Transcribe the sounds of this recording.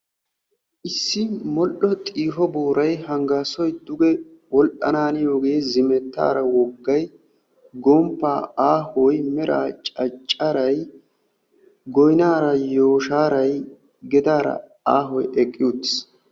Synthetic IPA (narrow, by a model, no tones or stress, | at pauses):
ʔɪsːɪmɔʔɔt̪ʼiːɦɔbuːɾɐjhɐŋɡaːsɔjd̪ʊɡɛ | wɔlʔɐnaːnɪjoːɡeːzɪmɛt̪ːa̰ːɾɐwɔɡːɐj | ɡɔmpːaːaːhɔjmɛɾa̰ːt͡ʃʼɐt͡ʃʼːɐɾɐj | ɡɔjnaːɾɐjoːʃaːɾɐj | ɡɛd̪aːɾɐ̰ | aːɦɔjʔɛkʼːɪjut̪ːɪ̥s